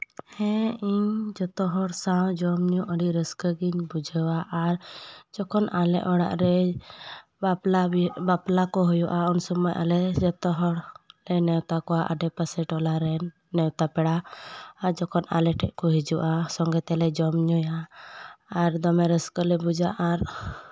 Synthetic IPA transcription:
hɛ̃iɲd͡ʒɔt̪ɔɦɔɽsawd͡ʒɔmɲuʔəɽiʔɾəskəɡiɲbud͡ʒʱəwaʔaɾd͡ʒɔkʰɔnalɛ̰ʔɔɽa̰ʔɾɛ | labaplakɔɦujuʔaɔnsɔmɔjʔa̰lɛd͡ʒɔt̪ɔɦɔɽlɛnɛwt̪akɔaʔa̰ɖɛpəsɛʈɔlaɾɛnː | ɛwt̪apɛɽaː | ɾd͡ʒɔkʰɔna̰lɛʈʰɛʔkɔɦid͡ʒuʔasɔŋɡɛt̪ɛlɛd͡ʒɔmɲujaː | ɾd̪ɔmɛɾəskəlɛbud͡ʒaʔaɾ

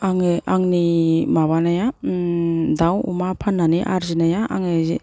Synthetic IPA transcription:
aŋɯʔaŋnimaβanaja | dawṵmapʰanːaniʔaɾzinajaʔaŋɯzi

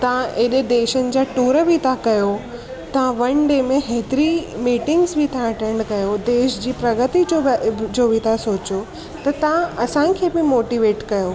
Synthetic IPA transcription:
t̪ɐãʔeɗed̪eːʃənɪ̆d͡ʑaːʈuːɾəbʱɪt̪ʰãkɐjo | t̪ɐ̤ãʋɐñɖeːmẽɦeːt̪ɪɾimiːʈɪ̃ŋɡzbʱit̪ʰãɐʈɛ̃ːɳɖkɐjod̪eːʃd͡ʑiːpɾɐɡət̪iod͡ʑoːbʱɪt̪ʰasoːt͡ɕo | t̪ɐt̪ɐãʔɐsãkʰeːbɪmoːʈiʋeːʈkɐjoː

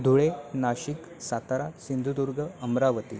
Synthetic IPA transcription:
d̪ʱuɭenaɕik | sat̪aɾasind̪ʱud̪uɾɡəəmɾaʋət̪ḭ

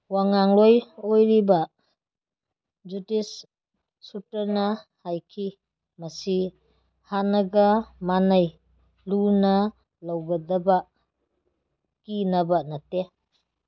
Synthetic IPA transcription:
waŋaŋlojojɾibɐ | d͡ʒutisː | utɐɾnɐhajkʰi | mɐsi | hanɐɡɐmanaj | lunɐ | lawɡɐdɐbɐ | kinɐbɐnɐte

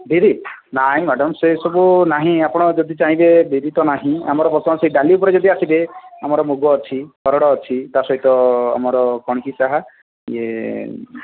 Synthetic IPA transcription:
bʱiɾinaɦĩmaɖɔmsesɔbunaɦĩapɔɽ̃ɔd͡ʒɔd̪it͡ʃaɦĩbebiɾit̪ɔnaɦĩamɔɾɔpɾɔt̪ʰɔmseiɖaliupɔɾed͡ʒɔd̪iasibeamɔɾɔmuɡɔːt͡ʃʰikɔɾɔɽɔːt͡ʃʰit̪asɔɦit̪ɔa̰mɔɾɔkɔɽ̃ikisaɦa | ḛ

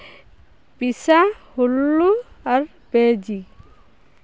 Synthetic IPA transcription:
pisahulːuaɹ | bed͡ʒi

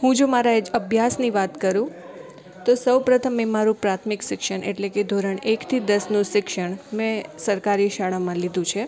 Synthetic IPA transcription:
ɦũd͡ʒomaɾad͡ʒəbʱjasniʋat̪kəɾũ | t̪osəwpɾət̪ʰəmːẽmaɾũpɾat̪ʰmɪkʃɪkʃəɳʔḛʈleked̪ʱoɾəɳekt̪ʰid̪əsnũʃɪkʃəɳmɛ̃səɾkaɾiʃaɭamãlid̪ʱũt͡ʃʰe

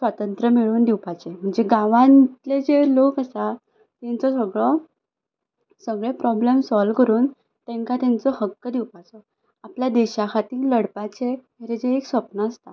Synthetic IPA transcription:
sʋat̪ənt̪ɾəmiɭuːnd̪iwpat͡sem̤əɳd͡zeɡãʋãnt̪led͡zelokəsa | t̪ɛ̃nt͡sɔsəɡɭɔ | səɡɭepɾɔblemsɔlkəɾuːn | t̪ɛ̃ŋkat̪ant͡sɔhəkːəd̪iwpat͡sɔ | apljad̪iɕakʰat̪ĩləɽpat͡se | eɾed͡ʑeːksʋəpnəəst̪a

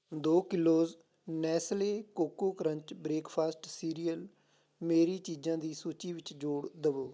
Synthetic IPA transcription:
d̪oːkɪloːz | nɛːsleːkoːkoːkəɾə̃ɲt͡ʃbɾeːkpʰaːsʈsiːɾiːəl | meːɾiːt͡ʃiːd͡ʒãːd̪iːsuːt͡ʃiːʋɪt͡ʃd͡ʒoːɽd̪əʋoː

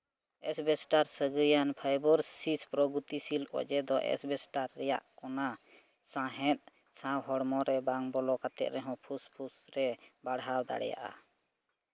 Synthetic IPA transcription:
ɛsbɛsʈaɾsəɡəjanpʰajbɔɾsispɾɔɡut̪isilɔ̰d͡ʒɛd̪ɔʔɛ̰sbɛsʈaɾːɛja̰ʔkɔna | sãɦɛ̃t̪̚ˀ | sãwɦɔɽmɔɾɛbaŋbɔlɔkat̪ɛ̰t̪ɾɛɦɔ̃pʰuspʰusɾɛbaɽɦawd̪a̰ɽɛja̰ʔa̰

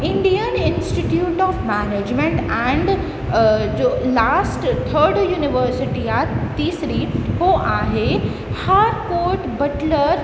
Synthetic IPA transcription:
ɪ̃ɳɖijənɪ̃nsʈiʈjuːʈɔːfmæneːd͡ʒmẽɳʈɛ̃ːɳɖ | d͡ʒoːlaːsʈt̪ʰəɾɖjuːnɪʋəɾsɪʈiat̪iːsɾihoʔaːɦe | haːɾkoːɾʈbɐʈləɾ

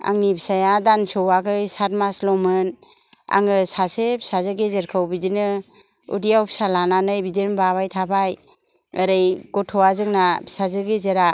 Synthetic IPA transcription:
a̰ŋnibisajadansɯwaɡɯjsaɾmaslɔmɯn | a̰ŋɯsasepsazɯɡezeɾkʰɯwbidinɯ | ṵdijawpʰi̥salananɯjbidinbaβajtʰabaj | ɯɾɯjɡɔtʰɔwazɯŋnabsazɯɡezeɾa

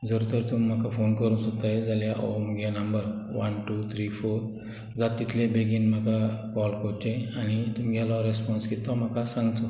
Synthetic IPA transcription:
d͡zəɾut̪əɾt̪um̤ːakafonkəɾunsot̪aed͡zaljaʔomɡanəmbəɾ | ʋənʈut̪ʰɾifoɾ | d͡zat̪ːit̪ʰlebeɡiːnm̤akakɔlkoɾt͡ɕeañit̪umɡalɔɾespɔnskit̪ɔm̤akasãŋɡt̪ɔ

